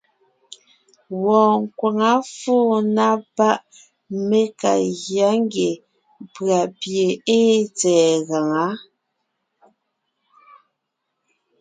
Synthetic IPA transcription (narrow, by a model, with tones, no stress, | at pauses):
wɔː˨ŋ˨kwa˨ŋa˦foː˦˨na˦pa˦ʔ | me˦ka̰˨ɣja˨˦ŋ˦ɡe˨ | pɰa˨pje˨e˦t͡sɛː˨ɣa˨ŋa˨˦